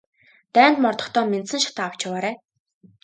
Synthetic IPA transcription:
t̪æːnt̪mɔrt̪ɞ̆χt̪ʰɔːment̪sɘ̆ŋʃḁt̪aːaw̥t͡ɕɪwaːɾæː

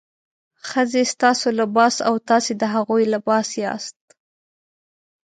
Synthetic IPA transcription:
xəzest̪ɑsolabɑsawt̪ɑsed̪əɦaɣujlabɑseɑ̰st̪

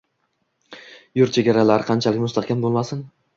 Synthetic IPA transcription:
jʊɾt̪̚t͡ʃʰe̞ɡʲaɾalaɾɪqʰɑnt͡ʃʰalɪkʲmʊst̪ʰɑχkʲanbolˠmasɪn

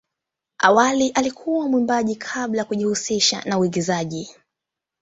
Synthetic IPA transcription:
awaliʔalikʰuwamwimbaʄikʰaɓlajakuʄihusiʃa̰nauiɡizaʄi

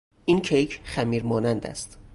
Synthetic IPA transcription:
ʔinkʰejkʰχæmiːɾmɒːnænd̪æ̰st̪

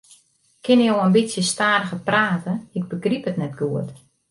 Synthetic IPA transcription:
kʰɪnjowəmbitsjəstaːɾəɣəpraːtəɪɡ̚bəɡripətnɛtɡuət

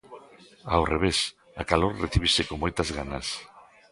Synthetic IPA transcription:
awreβ̞es | akaloɾreθiβ̞esekoŋmojt̪azɣanɐs

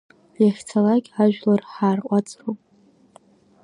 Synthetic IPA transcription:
jaχʲt͡sʰalakʲʼaʒᶣlarħaːrqʷʼat͡sʼropʼ

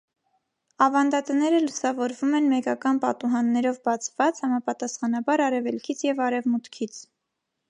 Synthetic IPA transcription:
ɑvɑnd̪ɑt̪ənɛɾəlusɑvɔɾvumɛnmɛkɑkɑnpɑt̪uɦɑnːɛɾɔvbɑt͡sʰv̥ɑt͡shɑmɑpɑt̪ɑsχɑnɑbɑɾɑɾɛvɛlkʰit͡sʰjɛvɑɾɛvmut̪kʰit͡sʰ

